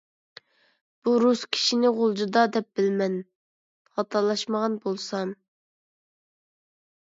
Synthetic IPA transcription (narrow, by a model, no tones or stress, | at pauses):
b̥uɾuskʲʰi̥ʃinɪʁolˠd͡ʒud̪ɑd̪ɛp̚bɪlmɛn | χɑt̪ʰɑɾlˠɑʃməʁɑnbolˠsɑm